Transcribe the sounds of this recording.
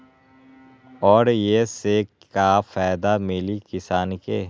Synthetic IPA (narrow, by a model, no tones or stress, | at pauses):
ɔːɾjese | kafaːd̪amɪlikɪsaːnke